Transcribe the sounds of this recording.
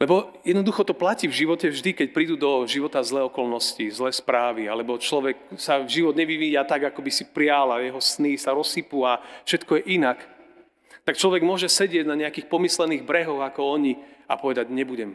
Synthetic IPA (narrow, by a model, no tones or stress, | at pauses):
lɛbɔjɛd̪nɔd̪uxɔt̪ɔplacivʒiʋɔcɛvʒd̪ikɛc̚pɾiːd̪ud̪ɔʒiʋɔt̪azlɛːɔkɔlnɔscizlɛːspɾaːʋialɛbɔt͡ʃlɔʋɛksavʒiʋɔd̪ɲɛʋiʋiːjat̪aɡakɔbisipɾɪalajɛɦɔsnisaɾɔsipuafʃɛt̪kɔjɛʔinak | t̪akt͡ʃlɔʋɛɡmʊɔʒɛsɛɟɪɛɟnaɲɛakixpɔmislɛniːɣbɾɛɦɔɣakɔɔɲia̰pɔʋɛd̪aɟɲɛbuɟɛm